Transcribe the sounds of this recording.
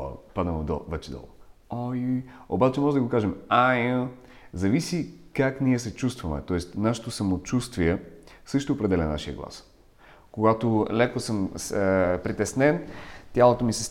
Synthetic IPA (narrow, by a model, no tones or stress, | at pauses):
pad̪əmd̪ɔ̰vɛt͡ʃɛd̪ɔ̰lˠoojujo̰bat͡ʃɛmɔʒɛd̪ɐɡokaʒɛmajə̃ | zɐvisikakniɛsɛt͡ʃust̪vɐmɛ̰t̪ɔɛst̪naʃɛ̥t̪osɐmot͡ʃust̪viɛsɤʃt̪oːpɾɛd̪ɛlʲɛna̰ʃijə̰ɡlˠa̰s | koɡat̪olɛkosɤmspɾit̪ɛsnɛnt̪ʲjalˠot̪omisɛs